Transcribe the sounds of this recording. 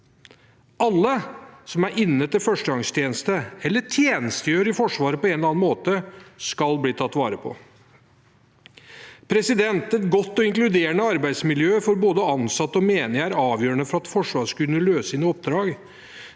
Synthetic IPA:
ʔɑlːəsɔmæɾʔɪnːət̪ʰɪlfœʂʈəɡɑŋst̪ʰjeːnəst̪əɛlːəʈʰjeːnəst̪əjøːɾɪfɔʂʋɑːɾəpɔɛnlɑːnmoːt̪əskɑlbliːt̪ʰɑt̪ːʋɑ̰ːɾəpʰɔ̰ | pʰɾɛsɪd̪ɛnt̪ɛt̪ɡɔt̪ːɔɪŋklʉd̪eːɾəɳəɑɾbæɪd̪smɪljøːfɔɾboːd̪əɑnsɑt̪ːɔmeːnɪæɾɑːʋjøːɾəɳəfɔɾɑt̪fɔʂʋɑːʂkʉnəløːsɪnəɔp̚d̪ɾɑːɡ

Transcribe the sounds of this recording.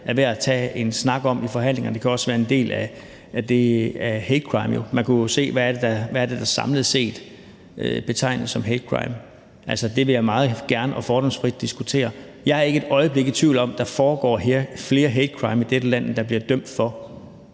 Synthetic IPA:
æʋeɐæt͡sʰɛ̰ːe̝nsnɑ̈ɡ̥ɒ̽mifɒ̽ɦæn̰le̝ŋɐnd̥e̝kʰæɒ̽sʋæːɐe̝nde̝̰ːlæ | æd̥e̝æhed̥kʰʁɑ̈ɪmjo̝mænkʰujose̝̰ːʋææɐd̥e̝d̥ɑʋææɐd̥e̝d̥ɑ̈sɑ̈mləð̩ˠse̝̰ːd̥ | øb̥e̝t͡sʰɑ̈ɪ̰nl̩ˠsɒ̽mɦed̥kʰʁɑ̈ɪm | ʔæl̰sɒd̥e̝ʋe̝jɑɪmɑ̈ːð̞̩ˠɡ̥æɐnəʔɒ̽fɒːɾ̥ɒ̽ŋsfʁid̥̚ːisɡ̥ut͡sʰe̝̰ːɐ | jɑ̈ɪhɑ̈e̝ɡ̥əe̝d̥ɒ̽ɪəb̥le̝ɡ̥ð̩ˠt͡sʰʋiʊlɒ̽md̥ɑ̈fɒːɡ̥ɒ̰ːɦeɐfle̝ːɐɦed̥kʰʁɑ̈ɪmid̥ed̥əlæn̰d̥ɑ̈b̥liɐd̥øm̰d̥fɒ̽

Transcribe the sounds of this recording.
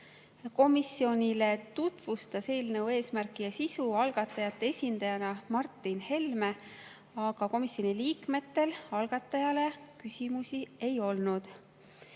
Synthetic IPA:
ko̞misːio̞nʲile̞t̪ut̪v̥ust̪ɑse̞ːlnɤwe̞ːsmærkˑijɑsisuɑlɡ̥ɑt̪ːˑɑjɑt̪ːˑe̞esʲind̪̥ɑjɑnɑmɑrt̪ːˑinhe̞lme̞ | ɑɡ̥ɑko̞misjo̞niliːkme̞t̪ːe̞lɑlɡ̥ɑt̪ːˑɑjɑle̞kysʲimusie̞jo̞lnud̪̥

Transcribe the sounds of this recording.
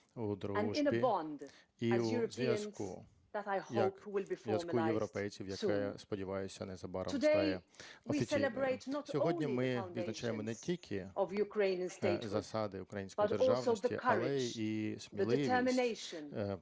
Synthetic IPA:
ud̪ɾ̃ɪ̃nəibɔ̃nd | izuɹəzjaskʊ | ðətaɪhjɐʊphwɪlˠbifɔjɐsməlujajewɾɔpɛjt͡sʲiwjɐkɛspɔdʲiʋɑjʊsʲɐnɛzɐbɑɾɐdeajɛɔwiisʲɛilɪbɹeɪtnɔtsʲɔɦõɔd̃ʲnʲimɪ̃ʊnʋʲid̪nɐt͡ʃajemɔnɛtʲʰilʲkʰɪʔɔvjukʰɹẽɪ̃niə̃nstzɐsɑd̪ɪukɾɐjinʲsʲkbɐtderɔlɑʋoðəḭkʰɐlˠɛismʲilˠɪɪə˞mɪneɪʃə̃n

